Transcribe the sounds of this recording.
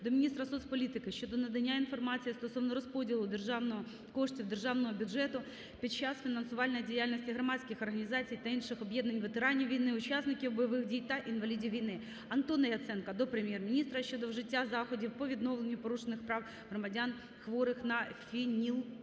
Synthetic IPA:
d̪ɔmʲnʲist̪ɾɐsuspɔlʲit̪ɪkɪʃt͡ʃɔd̪ɔnɐd̪ɐnʲːainfɔrmɑt͡sʲijist̪ɔsɔʋnɔɾɔspɔdʲɪlˠʊd̪erʒɑʋnɔɦɔ | kɔʂtʲiwd̪erʒɑwnɔɦɔbʲʊdʐɛt̪ʊ | pʲit͡ʃːasfʲinɐnsʊʋɑlʲnɔjdʲijalʲnɔsʲtʲiɦɾɔmɑt͡sʲsʲkɪxɔrɦɐnʲizɑt͡sʲijt̪ɐinʃɪxɔbjɛd̪nɐnʲʋet̪eɾɑnʲiʋʲijnɪʊt͡ʃasnɪkʲiwbɔjɔʋɪxdʲijt̪ɐʔinʋɐlʲidʲiʋʲijnɪ | ɐnt̪ɔnɐjɐt̪sɛnkɐd̪ɔpɾemʲjɛrmʲɪnʲist̪ɾɐʃt͡ʃɔd̪ɔwʐɪtʲːazɑxɔdʲiwpɔʋʲid̪nɔʋlˠenʲːʊpɔɾuʃenɪxpɾɑw | ɦɾɔmɐdʲan | xʋɔɾɪxnɐfʲinʲilˠ

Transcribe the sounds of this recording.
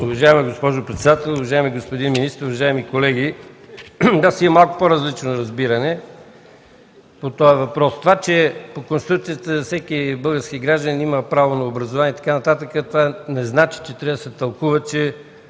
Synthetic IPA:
uvɐʒaɛmɛɡospɔʒopɾɛt̪sɛd̪at̪ɛlˠʊvɐʒaɛmiɡospod̪inminist̪ɾʊvɐʒaɛmikolɛɡ̟i | d̪asiɛmalˠkʊ̥poɾəzlit͡ʃnoɾɐzbiɾɐnɛ | pot̪ɔɛvɐpɾɔst̪ovat͡ʃɛpokonst̪ɾukt̪sijət̪əfsɛkibɤlˠɡəɾskiɡɾaʒd̪əniməpɾavonɐobɾɐzovaniɛit̪ɐ̥kanɐt̪at̪əkət̪ovanɛznat͡ʃi̥t͡ʃɛt̪ɾɛd̪əsɛt̪ɐlˠkuvət͡ʃɛ

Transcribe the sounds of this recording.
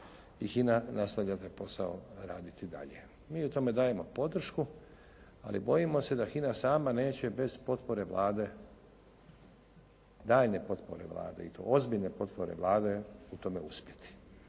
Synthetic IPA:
ixinanast̪aʋʎat̪ajpo̞saoɾa̰ːd̪it̪id̪a̰ʎe̞̰ | miːut̪o̞me̞d̪aːje̞mo̞po̞d̪r̩ʃku | a̰libo̞jimo̞se̞d̪axinasaːmane̞ːt͡ɕe̞be̞z̥po̞t̪po̞ɾe̞ʋlaːd̪e̞ | d̪aːʎne̞po̞t̪po̞̰ɾe̞̰ʋlˠa̰ːd̪e̞̰it̪o̰ʔozbiʎne̞po̞t̪po̞ɾe̞̰ʋlˠaːd̪e̞ut̪o̞me̞uspje̞t̪i̥

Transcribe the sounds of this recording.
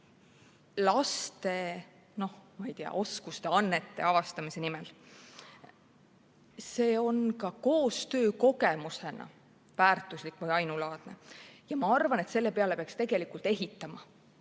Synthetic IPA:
lɑst̪e̞ | no̞hmɑijt̪eɑ̰ʔo̞skust̪e̞ɑnːet̪ːe̞ɑvɑst̪ɑmise̞nimɛl | se̞ːo̞nkɑko̞ːst̪ø̞ːko̞ɡemuse̞nʔɑ̰ | væːrt̪ːˑuslikːˑvɯjɑjnulɑːd̪̥ne̞jɑmɑɑrvɑne̞t̪se̞lːe̞pe̞ɑle̞peɑkst̪e̞ɡ̥e̞likult̪e̞ɦit̪ːˑɑmɑ

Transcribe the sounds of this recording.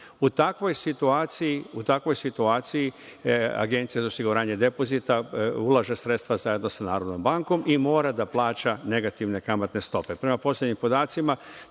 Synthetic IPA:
ut̪akʋo̞jsit̪uaːt̪sijiut̪akʋo̞jsit̪uaːt̪sijia̰ɡe̞nt̪sijazaosiɡuɾaːɲe̞d̪e̞po̞zit̪aulˠaʒesɾet̪t̪ʋazaje̞d̪no̞sanaːɾo̞d̪no̞mbaŋko̞mimo̞ːɾad̪aplˠaːt͡ʃane̞ɡat̪iʋne̞kamat̪ne̞st̪o̞pe̞pɾe̞mapo̞slʲjʲed̪ɲimpo̞d̪aːt̪sima

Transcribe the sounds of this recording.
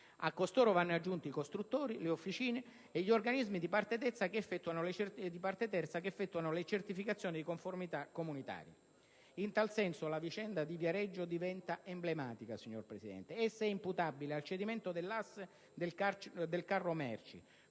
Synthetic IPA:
a̰kːost̪oːɾovanːad͡ʒːunt̪iikost̪ɾut̪ːoːɾileofːit͡ʃiːneː | ʎːiorɡanizmid̪ipart̪et̪ɛt̪sːakeːfːɛt̪ːuanold̪ipart̪et̪ɛrt̪sakefːɛt̪ːuanolet͡ʃert̪ifikat̪sːjoːnid̪ikoɱformit̪akːomunit̪a̰ːɾjḛ | int̪alsɛnsolavit͡ʃɛnd̪ad̪ivjaɾɛd͡ʒːod̪ivɛnt̪aemblemaːt̪ikasiɲːo̰rpɾesid̪ɛ̰nt̪eɛsːaɛimput̪abːilealt͡ʃed̪iment̪od̪elːasː | d̪elad̪elkarːomɛ̰rt͡ʃḭ

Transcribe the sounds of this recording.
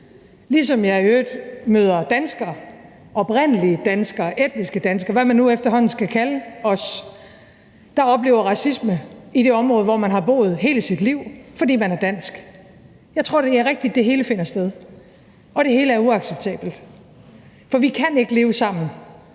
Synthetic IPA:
lisɒ̽mjɑ̈ɪiøːd̥møːð̞ˠɐd̥ænsɡ̥ɐ | ʔɒ̽b̥ʁen̰əliəd̥ænsɡ̥ɐʔed̥̚nisɡ̥əd̥ænsɡ̥ɐʋæmænːuefd̥ɐɦɒ̽n̰n̩sɡ̥ækʰæləɒ̽s | d̥ɑ̈ɒ̽b̥le̝̰ːʊ̰ɐʁɑ̈sisməid̥e̝ɒ̽mʁɔ̽ːð̞̩ˠʋɒmænɦɑ̈b̥o̝̰ːð̞̩ˠɦe̝ːləsid̥liʊ̰fɒ̽dḭːmænæɐd̥æn̰sɡ̥ | jɑ̈ɪt͡sʰʁo̝ɐ̰d̥e̝æɐʁeɡ̥̚d̥id̥̚ːe̝ɦe̝ːləfe̝n̰ɐsd̥eðˠ | ʔɒ̽ɾ̥e̝ɦe̝ːləæɐuɑ̈ɡ̥seb̥̚t͡sʰɛ̰ːb̥l̩d̥ | fɒ̽ʋikʰæne̝ɡ̥əle̝ːʊəsɑ̈m̰n̩

